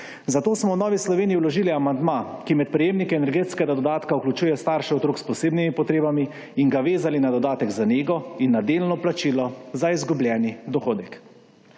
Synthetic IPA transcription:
zat̪oːsmɔwnɔːʋislɔʋeːnijːwlɔʒiliamand̪makimɛt̪̚pɾɛjeːmnikɛɛnɛɾɡeːt̪skɛɡad̪ɔd̪aːt̪kauklʲut͡ʃuːjɛst̪aɾʃiɔt̪ɾoːkspɔseːbnimipɔt̪ɾeːbamiː | ŋɡaʋeːzalinad̪ɔd̪aːt̪ɛɡzaneːɡɔinːad̪eːlnɔplat͡ʃiːlɔzaizɡublʲjɛːnid̪ɔxoːd̪ɛk

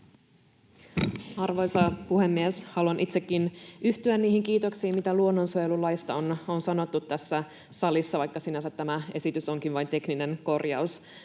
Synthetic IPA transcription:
ɑrʋo̞jsɑpuhemːieshɑluɑnʔit̪sekːinyht̪yænniːhiŋkiːt̪o̞ksiːmmit̪æluo̞nːo̞nsujelulːɑjst̪ɑononsɑno̞t̪ːut̪ːæsːæ | sɑlisːɑʋɑjkːɑsinæsæt̪ːæmæe̞sit̪yso̞ŋkinʋɑjnt̪e̞knine̞nko̞rjɑ̰us

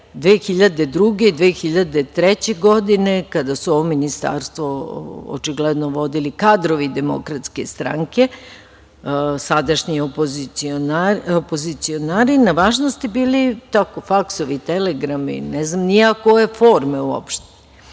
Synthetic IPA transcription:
d̪ʋeːxiʎad̪e̞d̪ɾuɡeid̪ʋeːxiʎad̪e̞t̪ɾet͡ɕe̞ɡod̪ine̞kad̪asuoʋominist̪a̰ːɾst̪ʋoo̰t͡ʃiɡled̪noʋo̞d̪ilikad̪ɾo̞ʋid̪emo̰kɾat̪ske̞st̪ɾa̰ŋke̞ | sad̪aʃɲiopoziionaopozit̪sionaːɾinaʋaːʒnost̪ibiːlit̪ako̞faksoʋit̪eleɡɾamḭnɛznamniakojefoːɾmeuo̰pʃt̪e̥

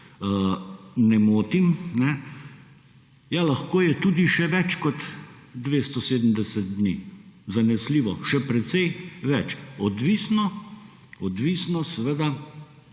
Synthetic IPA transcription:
nɛmoːt̪imnɛ | jalaxkoːjɛt̪uːd̪iʃɛʋɛt͡ʃkɔt̪ | d̪ʋeːst̪ɔseːd̪əm̩d̪ɛsɛt̪̚d̪nizanɛsliːʋɔʃɛpɾɛt̪sɛjʋɛt͡ʃɔd̪ʋiːsnɔ | ɔd̪ʋiːsnɔsɛʋeːd̪a

